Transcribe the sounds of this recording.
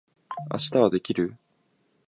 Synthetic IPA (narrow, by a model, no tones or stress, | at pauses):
a̰ɕi̥t̪aβad̪e̞kʲiɾɯ̟